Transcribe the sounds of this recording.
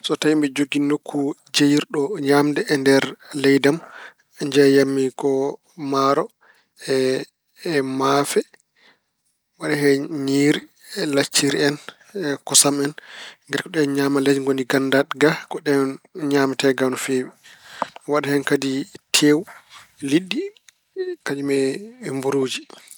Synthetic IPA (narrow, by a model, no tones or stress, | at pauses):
sɔtajimbɛd͡ʒoɡinokʰːud͡ʒejiɾɗɔɲaːmdɛʔːndɛɾlɛjdam | ɲd͡ʒɛjamːikɔ | maɾɔ | ɛː | mafɛ | waɗahɛɲiɾi | lat͡ʃːiɾiɛn | kɔsamɛnŋɡɛɾkɔɗɛɲamalad͡ʒiŋɡondiɡandaɗɡakɔɗɛɲaːmitɛɡanufeːwɛ | waɗahɛnkaditʰeːwuliɗːi | kad͡ʒumɛmbuɾuːd͡ʒi